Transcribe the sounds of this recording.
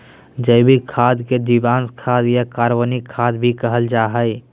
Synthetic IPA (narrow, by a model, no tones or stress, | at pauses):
d͡ʒəbʱikʰaːd̪ked̪ibãːnskʰaːd̪jakaːɾwanikʰːaːd̪bʱikəɦəld͡ʒaːɦəɪ